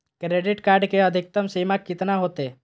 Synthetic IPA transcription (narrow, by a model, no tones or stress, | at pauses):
kɾeːɖɪʈkaːɾɖkeəd̪ʱɪk̚t̪əmsimakːɪt̪naɦoːt̪e